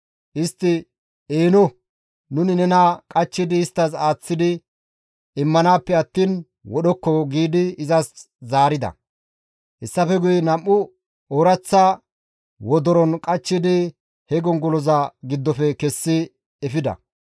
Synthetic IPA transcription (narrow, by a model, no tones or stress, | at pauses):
ʔɪst̪ːɪ | eːnɔ | nʊnɪnɛnakʼɐt͡ʃːɪd̪ɪːst̪ːɐsaːt͡sːɪd̪ɪ | ɪmːɐnaːpːɛɐt̪ːiːn | wɔɗɔkːɔɡiːd̪ɪɪzɐs | zaːɾɪd̪ɐ̰ | hɛsːɐfɛɡʊjɛnɐmːʊ | oːɾɐt͡sːa | wɔd̪ɔɾɔnkʼɐt͡ʃːɪd̪ɪ | hɛɡɔŋɡɔlɔzɐɡɪd̪ːɔfɛkɛsːɪ | ɛfɪd̪ɐ̰